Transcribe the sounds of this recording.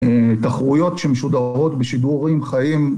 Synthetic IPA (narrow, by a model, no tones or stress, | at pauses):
et̪aχʁujo̞t̪ʃemeʃud̪aʁo̞t̪beʃid̪uʁimχajim